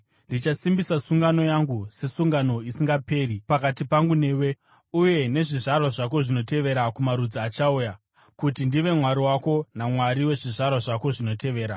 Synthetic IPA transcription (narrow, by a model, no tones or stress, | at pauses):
ndit͡ʃasimbisasuŋɡano̞jaŋɡuse̞suŋɡano̞isiŋɡape̞ːripakatipaŋɡune̞ːwe | uje̞ne̞ʐiʐarwaʐak̬o̞ʐino̞te̞ʋe̞ɾakumaɾud͡ziat͡ʃauja | kutindiʋe̞mwaɾiwako̞namwaɾiwe̞ʐiʐarwaʐako̞ʐino̞te̞ʋe̞ːɾa